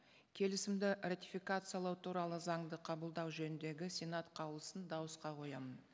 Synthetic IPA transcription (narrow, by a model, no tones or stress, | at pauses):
kʲʰe̞lɪsɪmd̪ɪrat̪ifijkat̪sɨjalˠɑwt̪ʰuɾɑlˠəzɑɴd̪əqʰɑbəlˠd̪ɑwʒɵnɪnd̪e̞ɡʲɪsʲenat̪qʰɑwlˠəsənd̪ɑwəsqɑqʰo̞jɑmən